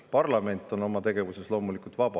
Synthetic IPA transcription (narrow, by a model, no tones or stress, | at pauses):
pɑrlɑme̞nt̪ːˑo̞no̞mɑt̪e̞ɡe̞vuse̞slo̞ːmulikˑult̪vɑb̥ɑ